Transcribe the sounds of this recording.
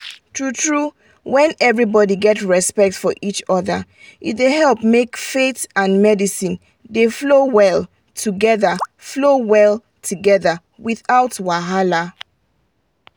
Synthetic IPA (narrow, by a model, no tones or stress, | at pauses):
tʰɹutɹu | wɛ̃nɛvɹibɔdiɡɛtɹɛspɛk̚tfɔʔit͡ʃɔðə | itdeɦɛlˠpmekfetãnmɛdisĩn | deflowɛlˠ | tʰuɡɛðəflowɛlˠ | tʰuɡɛðə | wiθaʊtwaɦala